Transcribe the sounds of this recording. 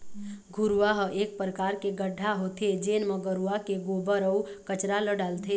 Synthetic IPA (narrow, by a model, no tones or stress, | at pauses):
ɡʱʊɾuʋaɦʔeːk̚pɾəkaːɾkeɡəɖʱːaɦoːt̪ʰed͡ʒeːnməɡəɾuakeɡoːbəɾəwkət͡ʃɾaləɖaːlt̪ʰeː